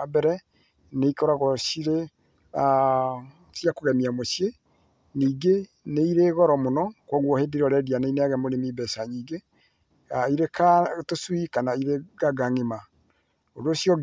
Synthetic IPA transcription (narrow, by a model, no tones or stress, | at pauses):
abɛɾɛ | neikɔɾaɣɔsiɾe | a | sijakoɣɛmiamosje | niːɡe | neiɾeɣɔɾɔmonɔkwɔɣwɔhedeɾɔɾɛdianeineaɣɛmoɾemibɛsaɲiːɡe | aiɾekatoswikanaiɾeɡaɡaŋema | oɾeosjɔ